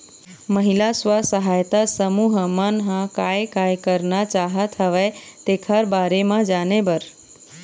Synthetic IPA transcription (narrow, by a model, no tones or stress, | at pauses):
məɦilasʋasəɦaːjt̪asəmuːɦmənɦãkaːjkaːjkəɾnat͡ʃaːɦət̪ʰɦəʋet̪eːkʰəɾbaːɾemãd͡ʒaːnebəɾ